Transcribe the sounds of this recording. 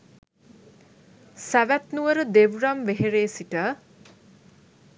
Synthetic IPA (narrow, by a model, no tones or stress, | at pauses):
sæʋæt̪nuʋəɾəd̪eʋɾamʋeɦeɾeːsiʈə